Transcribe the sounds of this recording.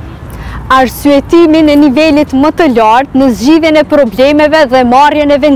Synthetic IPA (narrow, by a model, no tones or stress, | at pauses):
aɾsyɛt̪iminɛnivɛlit̪mət̪əlaɾt̪nəzd͡ʑiðjɛnɛpɾɔblɛmɛvɛðɛmarjɛnɛvɛn